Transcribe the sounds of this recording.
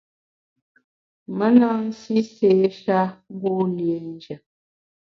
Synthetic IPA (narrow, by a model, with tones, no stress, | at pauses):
mə˦na˦n̩˦si˦seː˨˦ʃa˦ŋ̩˦ɡo˦lje˨n˦d͡ʒə˨